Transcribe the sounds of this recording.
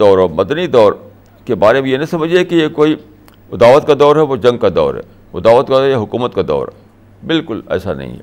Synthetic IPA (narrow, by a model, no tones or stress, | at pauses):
d̪ɔːɾɔːmɐd̪nid̪ɔːɾ | kebaːɾebʱijenɐɦĩsɐməd͡ʒʱekijekoːi | ʊd̪aːʋət̪̚kad̪ɔːɾɦɛʋod͡ʒɐ̃ŋɡ̚kad̪ɔ̰ːɾɦɛ̰ː | ʊd̪aːʋət̪kaɔːjeɦʊkuːmət̪kad̪ɔ̰ːɾɦɛ | bɪlkʊlɛ̰ːsa̰nɐ̰ɦḭ̃ɦɛ̰ː